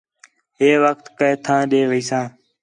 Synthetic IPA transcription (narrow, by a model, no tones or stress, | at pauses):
ɦeːʋəkt̪kəeːt̪ʰãːɗeːʋəiːsãː